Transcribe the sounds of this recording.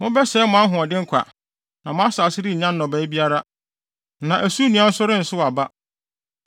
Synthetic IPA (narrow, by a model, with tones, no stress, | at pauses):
mʊ̃˦bɛ˦sɛː˦mʊ̃˨˦a˦ɦʊ̃˨ɔ˨dɪ˦ŋ̩˦kʷʰa̰˨ | nã˨mʊ̃˦a˦saː˨sɪ˦ɾi˦ɲ̩˨ɲã˦nː˦ɔ̃˨bɛː˨˦bi˦a˦ɾa˦ | nã˨ʔæ˨su˦nĩ˨a˨˦sʊ˦ɾɪ˦n̩˨sʊ˦wa˨ba˦